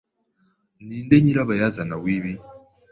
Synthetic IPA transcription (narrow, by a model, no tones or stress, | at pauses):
niːndeɲiɾaβajazanawiːβi